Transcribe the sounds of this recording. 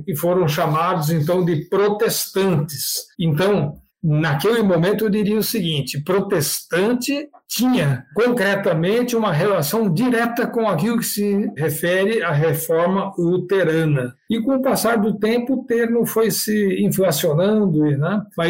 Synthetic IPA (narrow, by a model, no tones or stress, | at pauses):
kɪfoɾɐ̃w̃ʃamad̪ʊzẽnt̪ɐ̃w̃d̪ɪpɾot̪est̪ɐ̃nt̪ɪsẽnt̪ɐ̃w̃ | nakelɪmõmẽnt̪ʊewd̪iɾiɐʊsɪɡĩnt͡ʃ̪ɪpɾot̪est̪ɐ̃nt̪ɪt͡ʃ̪ĩɲɐkõkɾɛt̪ɐmẽnt̪ɪũmɐɦelasɐ̃w̃d̪iɾɛt̪ɐkõakilʊkɪ̥sɪɦefɛɾɪaɦefɔɾmɐut̪eɾɐ̃nɐ | ɪkõʊpasaɾd̪ʊt̪ẽmpʊt̪eɾnʊfojsɪĩflasionɐ̃d̪ʊnɛ̃mɐ